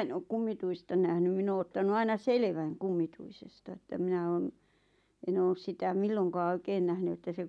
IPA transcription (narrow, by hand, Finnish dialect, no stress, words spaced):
en ok kumːituistɑ næhnym min oː otːɑnu ɑinɑ selĕʋæŋ kumːituisestɑ ĕtːæ minæ oːn en oːs sitæ milːoŋkɑː oikeːn næhny etːæ se